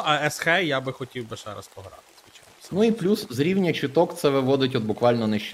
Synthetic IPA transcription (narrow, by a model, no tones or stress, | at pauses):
ɐɛsxɛjabɪxɔtʲiwbɪʃɛ̰ɾɐ̰spɔɦɾɑ̰t̪ɪ̥ɪt͡ʃa | nuiplʲuszɾʲiwnʲɐt͡ʃɪt̪ɔkt̪sɛʋɪʋɔd̪ɪtʲɔd̪bʊkʋɑlʲnɔnɪʃt͡ʃ